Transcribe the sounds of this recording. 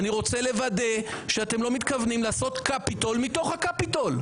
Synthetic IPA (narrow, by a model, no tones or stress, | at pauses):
niʁo̞t͡se̞le̞vade̞ʃeate̞mlo̞mit̪kavnimlaːso̞t̪kapitolmito̞χhakapitol